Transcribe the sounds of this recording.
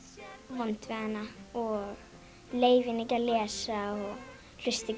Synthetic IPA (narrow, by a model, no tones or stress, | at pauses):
ɔnt̪vɛðanaɔɣ | leːjvɪnecalɛːsaɔɣ | l̥ʏst̪ɪc